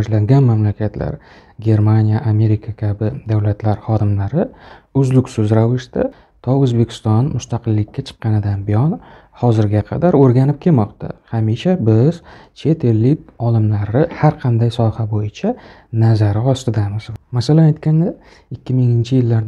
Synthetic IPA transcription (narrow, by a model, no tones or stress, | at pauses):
d͡ʒlaŋɡʲanmamlakʲʰat̪la̰ɾ | ɡʲe̞ɾmanʲijaʔame̞ɾikʰakʲʰabɪd̪awlat̪ʰlaɾχɒd̪ɪmlaɾɪʊzlʊkʲsʊzɾavɪʃt̪a | t̪ʰɒɵzbe̞kʲɪ̥st̪ɒnmʊst̪aqɨlːɪkʲːat͡ʃʰɨ̥qːɑnɪd̪anbɪjɒn | hɒzɪɾɡʲaqʰɑ̰d̪aɾoɾɡʲanɪp̚kʲʰe̞lmɒqt̪a̰hamiʃabɪzt͡ʃʰe̞t̪ʰe̞lːɪkʲɒlɪmlaɾɪhaɾqʰɑnd̪ajsɒhabojɪt͡ʃʰa | nazaɾɪɒst̪ɪd̪amɪzmasalanajt̪kʲand̪a | ɪkʲːɪmɪŋɪnt͡ʃʰɪjɪlːaɾd̪